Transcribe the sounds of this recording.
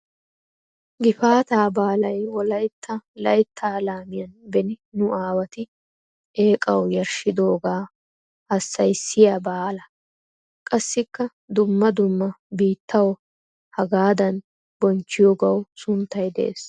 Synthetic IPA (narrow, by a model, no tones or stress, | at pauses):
ɡɪfaːt̪aːbaːlɐjwɔlɐjt̪ʰːɐlɐjt̪ʰːaːlaːmɪjɐnbɛnɪnʊʔaːwɐt̪ɪ | e̞ːkʼɐwjɐɾʃɪd̪o̞ːɡaː | hɐsːɐjsːɪjaːbaːlɐ | kʼɐsːɪkːɐ | d̪ʊmːɐd̪ʊmːɐbiːt̪ːɐwɔ | hɐɡaːd̪ɐn | bɔnt͡ʃːɪjɔɡɐwsʊnt̪ːɐjd̪ɛʔḛːs